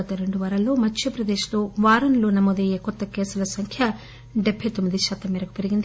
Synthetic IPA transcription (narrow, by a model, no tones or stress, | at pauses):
ɐt̪ːɐɾe̞ɳɖuʋɐɾɐlːo̞ːmɐt͡ʃʰːjɐpɾɐd̪eːʃlo̞ːʋaːɾɐnlo̞ːnɐmoːd̪ɐjeːkɔt̪ːɐkɛːsulɐsɐŋkʰjɐ | ɖebʱːɐjt̪omːid̪iʃaːt̪ɐmːɛːɾɐku̥peɾiɡind̪i